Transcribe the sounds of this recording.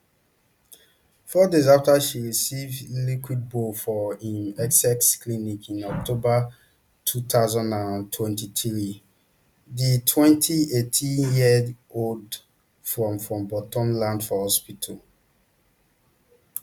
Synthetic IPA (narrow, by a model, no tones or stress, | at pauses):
fɔdezaftaʃiɹisivlikwid̚bofɔĩnɛksɛksklinikʰĩnɔk̚tʰoba | tʰut̪aʊzãndãntʰwɛ̃ntitɹi | ditʰwɛ̃ntʰietʰĩnjid | old | fɹɔ̃mfɹɔ̃mbɔtɔ̃mlãndfɔhɔspitʰɔl